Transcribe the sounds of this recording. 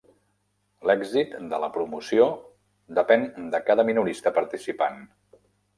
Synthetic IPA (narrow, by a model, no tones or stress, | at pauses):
lɛɡzit̪d̪ələpɾumusio | d̪əpɛnd̪əkaðəminuɾist̪əpəɾt̪isipan